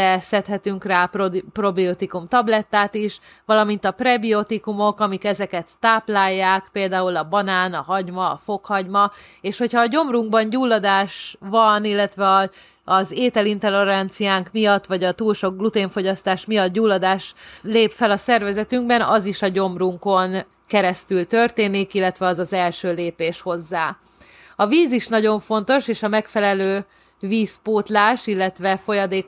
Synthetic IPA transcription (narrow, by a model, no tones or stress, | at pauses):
ɛsɛt̪hɛt̪yŋkraːproprobiot̪ikumt̪ɒblɛt̪ːaːt̪iʃ | ʋɒlɒmint̪ɒprɛbiot̪ikumo̞kɒmikɛzɛkɛt̪ːaːplaːjːaːkpeːld̪aːulɒbɒnaːnɒɦɒɟmɒ̰ːfo̞khɒɟmɒ | eːʃho̞chɒːɟo̞mruŋɡ̚bɒnɟuːlːɒd̪aːʃʋɒnilːɛt̪ʋɛɒ | ɒzeːt̪ɛlint̪ɛleɾɛnt̪sijaːŋkmijɒt̪ːʋɒɟɒt̪uːlʃo̞ɡ̚ɡlut̪eːɱfo̞ɟɒst̪aːʃmijɒt̪̚ɟuːlːɒd̪aːʃleːpfɛlɒsɛrvɛzɛt̪yŋɡbɛnɒziʃɒɟo̞mruŋko̞n | kɛɾɛst̪ylt̪ø̞rt̪eːnikilːɛt̪ʋɛɒzɒzɛlʃøːleːpeːʃho̞zːaː | ɒviːziʃnɒɟo̞ɱfo̞n̪t̪o̞ʃeːʃɒmɛkfɛlɛløː | viːspoːt̪laːʃilːɛt̪ʋɛfo̞jɒd̪eːk